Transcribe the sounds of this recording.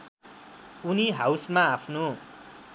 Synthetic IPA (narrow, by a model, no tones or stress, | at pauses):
uniɦawsmaːpʰno